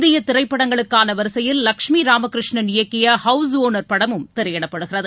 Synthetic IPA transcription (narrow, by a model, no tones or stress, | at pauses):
d̪ɪjɐt̪ɪrɐɪpːɐɽɐŋɡɐɭɯkːaːnɐʋɐɾɯsɐjɪlːɐkʂmiɾaːmɐkɪɾɯʂɳɐnɪjɐkːɪjɐhɐʊs̬oːnɐɾpɐɽɐmɯmt̪ɪɾɐjɛɽɐpːɐɽɯɣɪrɐðɯ